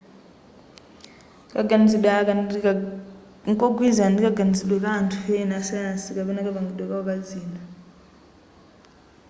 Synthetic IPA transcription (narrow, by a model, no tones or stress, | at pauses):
kaɡaniziɗaka | ŋkɔɡwizandikaɡanisiɗwɛβantʰu̥ɸɛnasiansikaβɛnakaβaŋɡiɗwɛkaɔβad͡ziːna